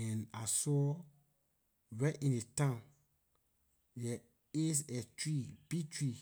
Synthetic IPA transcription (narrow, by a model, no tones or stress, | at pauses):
ɛ̃nasɔ | wɛʔĩndetãn | jɛ | es̬ɛtɹib̥itɹi